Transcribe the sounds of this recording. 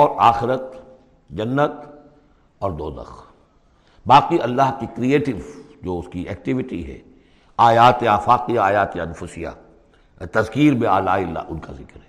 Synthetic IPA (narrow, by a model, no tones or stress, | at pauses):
ɔːɾaːxɪɾət̪ | d͡ʒɐnːət̪ | ɔːɾd̪oːd̪ɐ̰x | baːqiɐlːaɦkikɾieːʈɪʋd͡ʒoːʊskiɛ̰ːk̚ʈɪʋɪʈḭɦɛ̰ː | aːjaːt̪eaːfaːqijaaːjaːt̪eɐnfʊsija̰ | t̪ɐzkiːɾbeaːlaːɪlːa̰ːʔʊnkazɪkɾɦɛː